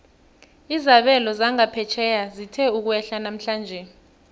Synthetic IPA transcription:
izaɓɛlɔzaŋapʰɛt͡ʃʰɛjazitʰɛuk̬uɛɬanam̩ɬaːnd͡ʒʱɛ

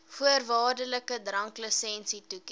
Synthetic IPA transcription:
fuərvɑːrdələkədrɐŋkləsɛnsituk

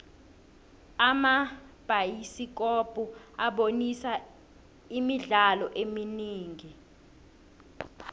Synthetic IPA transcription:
amab̥ʱajisik̬ʼɔb̥ʱʼuaɓonisa | imiɮalɔʔeminiːŋi

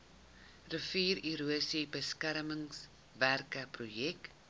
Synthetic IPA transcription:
rəfiːriɾuəsibəskæɾməŋs | værkəprujɛk

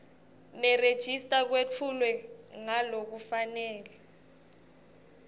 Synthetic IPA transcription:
mɛred̥ʒ̥ʱistʼak̬wet͡fʰulwɛŋalok̬ufanɛːlɛ

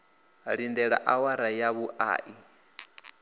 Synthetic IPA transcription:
ɺindɛɺa̰ʔawaɾajaβuʔa̰ːʔi

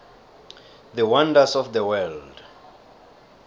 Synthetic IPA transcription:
ðəwãndasɔfdəwɛld

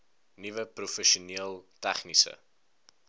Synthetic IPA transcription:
nivəprufəʃuniəlˠtæχnisə̰

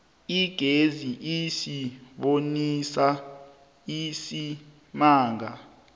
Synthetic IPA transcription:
iɡ̥ʱeziʔisiɓonisa | isi | maːŋa

